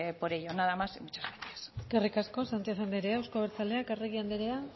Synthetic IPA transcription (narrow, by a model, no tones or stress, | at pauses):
poɾejonaðamasimut͡ʃḁzβeniesekerikasko̞sant̪iasand̪eɾeawskoβeɾt͡sale̞akereɣiand̪eɾea